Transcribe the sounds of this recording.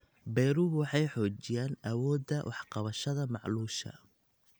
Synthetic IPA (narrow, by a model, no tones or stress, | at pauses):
bɛjɾʊwɑħɑjħɔːt͡ʃɪjaːnʔɐwɔːd̪ːɐwʔɑħqɑβɐʃɐðɐmɑʕluːʃɐ̰